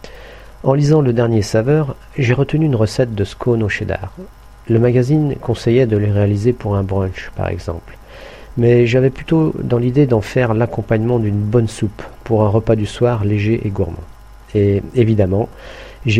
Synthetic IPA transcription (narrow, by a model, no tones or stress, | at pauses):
ɑ̃lizɑ̃ləd̪ɛʁnjesavœʁ | ʒeʁət̪ənyːnʁəsɛt̪̚d̪əskʰonoʃed̪a̰ʁ | ləmaɡʲazinkɔ̃sɛjɛd̪əleʁealizepuʁɛ̃bʁɑ̃ʃpa̰ʁɛ̰ɡzɑ̰̃pl | mɛʒavɛplyt̪od̪ɑ̃lid̪ed̪ɑ̃fɛʁlakɔ̃paɲmɑ̃d̪ynbɔnsupːuʁɛ̃ʁəpad̪yswaʁleʒeʔeɡuʁmɑ̰̃ | eevid̪amɑ̃ | ʒe